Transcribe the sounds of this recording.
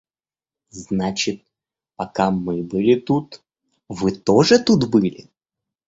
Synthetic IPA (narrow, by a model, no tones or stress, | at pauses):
znat͡ɕɪt̪̚ | pɐkamɨbɨlʲɪt̪ut̪ | vɨt̪oʐɨt̪ut̪bɨlʲɪ